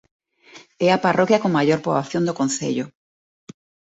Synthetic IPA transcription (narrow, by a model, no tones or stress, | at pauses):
ɛaparokjakoŋmaʎoɾpɾoβaθjond̪okõnθḛʎʊ